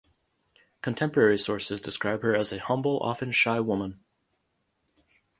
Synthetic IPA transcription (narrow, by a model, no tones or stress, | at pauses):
kʰɨ̃n̩tʰɛ̃mpə˞ɛɹisɔɹsɨzdɨskɹaɪb̥̚hə˞ɨzɨhʌ̃mbl̩ˠʔɑ̰fɨ̃nʃaɪwʊmə̃n